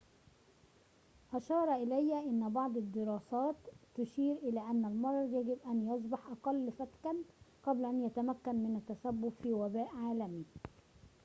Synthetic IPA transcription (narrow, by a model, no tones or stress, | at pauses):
ʔɑʃɑːɾˤɑʔɪlæjːæʔɪnːbɑʕd̪ˤɪd̪ːɪɾɑːsæːt̪ːʊʃiːɾʔɪlæːʔænːælmɑɾˤɑɾˤjæɡɪbʔænjɑs̬ˤbɑħʔɑqɑlːfæt̪kænqɑblæʔænjæt̪æmækːænmɪnæt̪ːæsæbːʊbfiːwæbæːʔʕaːlæmi